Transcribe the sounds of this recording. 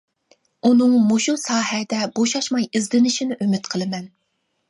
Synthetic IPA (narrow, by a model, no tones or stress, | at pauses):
unɨŋmoʃusɑːhɛd̪ɛboʃɑʃmɑjɪzlɪnɪʃinɪʔymɪt̪qʰəlˠɨmɛn